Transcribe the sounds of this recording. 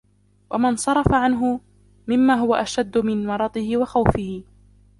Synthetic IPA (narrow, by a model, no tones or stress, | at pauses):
wʔamɪnsˤɑɾˤɑfaʕanɦʊ | mɪmːaːɦʊwaʔaʃad̪ːʊmɪnwɑɾˤɑt̪ˤɪhɪwaxawfɪhɪ